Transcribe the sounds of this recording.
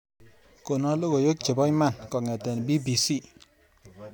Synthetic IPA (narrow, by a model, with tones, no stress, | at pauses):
ko˨nɔ˦lo˦ko˨jo˦k̚t͡ʃe˨bɔ˦jma˦˨nkɔ˨ŋe˨te˨n˨bi˦bi˨si˦˨